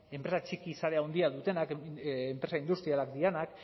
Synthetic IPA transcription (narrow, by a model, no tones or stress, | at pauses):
e̞mpɾe̞sat͡ʃikisaɾe̞aond̪iaðut̪e̞nakːmpɾe̞saind̪ust̪ɾialakd̪ienak